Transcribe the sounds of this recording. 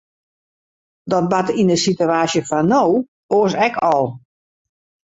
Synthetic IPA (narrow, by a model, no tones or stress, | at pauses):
dɔt̚batindəsituaːsjəfanow | oəsɛkɔlˠ